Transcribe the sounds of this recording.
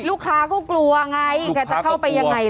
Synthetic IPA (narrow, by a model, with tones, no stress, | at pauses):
luː˥˩kʰaː˦˥kɔː˥˩klu˧ɐʔa˧ŋa˧jkaː˧˩t͡ɕa˨˩kʰa˥˩wpa˧jːa˧ŋːa˧j